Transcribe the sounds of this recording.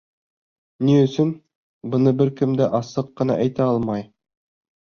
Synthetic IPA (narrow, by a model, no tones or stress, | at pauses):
niɵ̆sɵn | bɤ̆nɤbɘɾkɘ̆md̪æʔɑsɤqːɤ̆nɑ̰ʔæjt̪æɑlˠmɑj